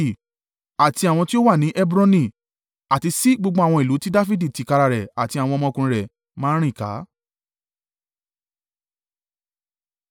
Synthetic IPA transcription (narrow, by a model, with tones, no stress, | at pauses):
a˨ti˧a˨w̃ɔ̃˧ti˦o˦wa˦˨nĩ˨˦ʔɛ˦bɾɔ̃˦nĩ˧˨ | a˨ti˧si˦ɡ͡bo˧ɡ͡bo˧˦a˨w̃ɔ̃˧i˨lu˨˦ti˦da˦fi˦di˦˨ti˨˦˨ka˧ɾa˧ɾɛ˨a˨ti˧a˨w̃ɔ̃˧ɔ˧mɔ̃˧kũ˧ɾɛ˨ | mãː˦ɾ̃ĩ˦˨ka̰˨˦